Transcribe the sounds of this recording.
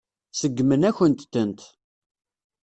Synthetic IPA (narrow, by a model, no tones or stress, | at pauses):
səɡːmənæçənt̪ːənt̪